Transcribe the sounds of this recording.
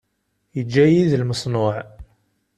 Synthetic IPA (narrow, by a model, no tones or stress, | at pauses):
jəd͡ʒːæjiðlməsˤnʊʕ